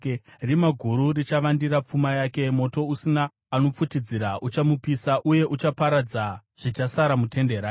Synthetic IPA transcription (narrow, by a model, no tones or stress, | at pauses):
rimaɡʱuɾurit͡ʃaʋandiɾap͡fumajaːke̞mo̞to̞usinaː | no̞p͡futid͡ziɾaʔut͡ʃamupisaʔuje̞ʔut͡ʃapaɾad͡zaʐ̥it͡ʃasaɾamutʰe̞ndeɾaː